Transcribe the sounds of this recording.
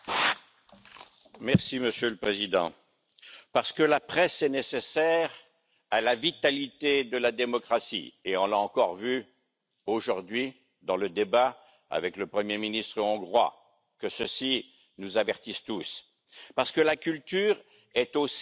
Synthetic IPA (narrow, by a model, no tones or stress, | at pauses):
mɛʁsiməsjøləpχezid̪ɑ̰̃ | paʁsə̥kəlapχɛsɛnesesɛʁ | alavit̪alit̪ed̪əlad̪emɔkχasḭeɔ̃laɑ̃kɔʁvy | oʒuʁd̪ɥi | d̪ɑ̃ləd̪eba | a̰vɛkləpχəmjeminist̪χəɔ̃ɡʁwa̰ | kəsəsi | nuzavɛʁt̪ist̪us | paʁsə̥kəlakʲylt̪yʁ | ɛt̪os